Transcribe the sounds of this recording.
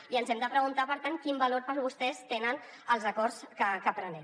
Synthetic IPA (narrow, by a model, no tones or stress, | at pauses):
iənzɛmd̪əpɾəɣunt̪apəɾt̪ankimbəloɾpəɾβust̪ɛst̪enən | əlˠzəkɔrskəkəpɾənɛ